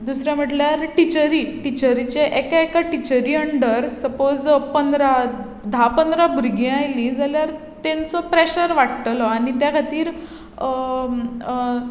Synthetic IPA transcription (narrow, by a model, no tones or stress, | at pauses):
d̪usɾjam̤əʈljaɾʈit͡ɕəɾiʈit͡ɕəɾit͡ɕeʔekaekaʈit͡ɕəɾiəɳɖəɾsəpod͡zpənd̪ɾa | d̪ʱapənd̪ɾabuɾɡĩajlĩd͡zaljaɾ | t̪ẽnt͡sɔpɾeɕəɾʋaʈt̪əlɔañit̪jakʰat̪iːɾ